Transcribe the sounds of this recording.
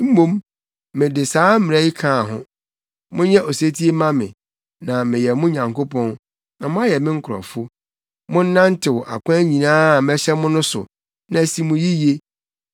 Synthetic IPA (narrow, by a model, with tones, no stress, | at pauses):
m̩˦mõ˦m | mɪ̃˨dɪ˨saː˨˦m̩˦mɪ̃˨ɾɛ˦ji˦kʰãː˦˨ɦʊ̰̃˦ | mʊ̃˦ɲɛ˦ʔo˨se˦tʰi˦e˦mã˦mɪ̰̃˨ | nã˨mɪ̃˨jɛ˨mʊ̃˦ɲã˨ŋko˦pʰɔ̃˦n | nã˨mʊ̃˦a˦jɛ˨mɪ̃˦ŋ̩˦kʰʊ˨ɾɔ̰̃˨fʊ˦ | mʊ̃˦n̩˦nã˦n̩˦tʰɪ˨wɔ˨ʔa̰˨kʰʷã˦æ˦ɲĩ˨nãː˦˨mɛ˦ɕɛ˦mʊ̃˦nʊ̃˦sʊ̰˨ | nã˨si˨mʊ̃˨ji˦je˦